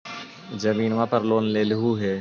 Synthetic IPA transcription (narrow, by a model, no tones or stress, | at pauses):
zəmiːnʋãːpəɾloːnleːlɪɦuɦeː